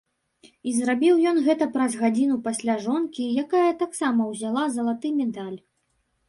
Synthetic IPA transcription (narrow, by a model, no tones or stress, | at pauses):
izrabʲiwjɔnɣɛt̪ɐpɾɐzɣad͡zʲinupasʲlʲaʐɔnkʲijakajɐt̪aksamɐwzʲalˠazɐlˠat̪ɨmʲɛd̪alʲ